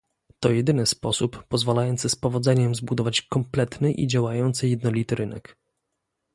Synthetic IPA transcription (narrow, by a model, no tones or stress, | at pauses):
t̪ɔjɛd̪ɘnɘspɔsupːɔzvalajɔnt̪sɘspɔvɔd̪zɛɲɛmzbud̪ɔvat͡ɕkɔmplɛt̪nɘʔḭd͡ʑawajɔnt̪sɘjɛd̪nɔlʲit̪ɘɾɘnɛ̰k